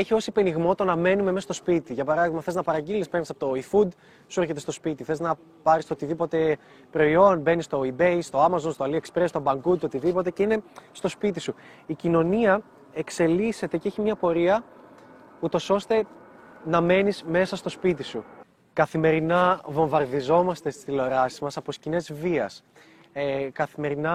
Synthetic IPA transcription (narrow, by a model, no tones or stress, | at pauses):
eçio̞sipeniɣmo̞t̪o̞nɐme̞nume̞mesɐst̪o̞spit̪iʝɐpɐɾɐðiɣmɐfθe̞znɐpɐɾɐɟilispe̞ɾnisɐpot̪o̞ifud̪ | sueɾçet̪est̪o̞spit̪iθe̞znɐ | pɐɾist̪oot̪iðipo̞t̪e̞ | pɾo̞io̞nbe̞nist̪o̞ibe̞jst̪o̞ɐmɐzo̞nst̪oɐliekspɾe̞st̪obɐŋɡud̪o̞t̪iðipo̞t̪e̞ce̞ine̞st̪o̞spit̪isu | icino̞niɐ | e̞kse̞lise̞t̪e̞ceçimɲɐpo̞ɾiɐ | ut̪o̞so̞st̪e̞ | nɐme̞nizme̞sɐst̪o̞spit̪isu | kɐθime̞ɾinɐvo̞ɱvɐɾðizo̞mɐst̪e̞st̪i̥sθilo̞ɾɐsizmɐsɐpo̞scine̞zviɐs | kɐθime̞ɾinɐ